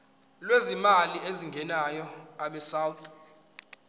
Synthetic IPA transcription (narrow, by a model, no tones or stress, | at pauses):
lwezimaliʔeziŋɡʱɛnajɔaɓɛsawθ